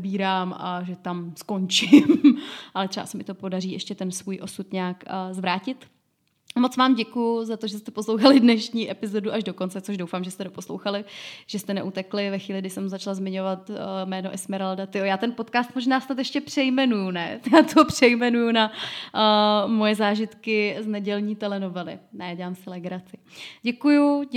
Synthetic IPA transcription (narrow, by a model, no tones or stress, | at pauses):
biːɾaːmʔa̰ʒɛt̪amsko̞nt͡ʃɪmʔalɛt̪rɛba̰sɛmɪt̪o̞po̞dariːɛʃcɛt̪ɛnsvuːjʔo̞sut̪ɲaːkːzvɾaːcɪt̪ | mo̞t͡svaːmɟɛkujʊzat̪oʒɛst̪ɛposlowxalɪdnɛʃɲiːʔɛpɪzo̞duʔaʒdo̞ko̞nt͡sɛt͡so̞ʒdowfaːmʒɛst̪ɛdo̞po̞slo̞̰wxalɪʒ̥ɛst̪ɛnɛʔut̪ɛklɪvɛxʋiːlɪɡdɪsɛmzat͡ʃlazmɪɲo̞vat̪mɛːnoʔɛsmɪɾaldat̪ɪojaːt̪ɛnpo̞t̪kaːst̪mo̞ʒnaːsnat̪jɛʃcɛpr̥ɛjmɛnujunɛjaːt̪oɦopr̥ɛjmɛnujuna | mojɛzaːʒɪt̪kɪznɛɟɛlɲiːt̪ɛlɛnovɛlɪ̰nɛjaɟɛlaːmsɪlɛɡɾat͡sɪɟɛkuju